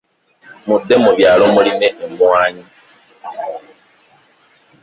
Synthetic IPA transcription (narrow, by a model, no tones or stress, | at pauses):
mudːemuβjaːlomulineemwaːɲi